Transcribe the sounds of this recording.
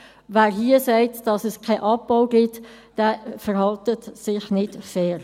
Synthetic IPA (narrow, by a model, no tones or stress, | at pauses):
veːɾɦiːəsɛɪtd̥ɑsɛskʰaɪʔɑb̚baʊɡɪt | d̥ɛːfəɾhɑltətsɪçnɪdsɛːɾ